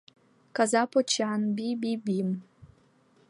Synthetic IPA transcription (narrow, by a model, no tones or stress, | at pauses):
kazapɔt͡ʃanbibibim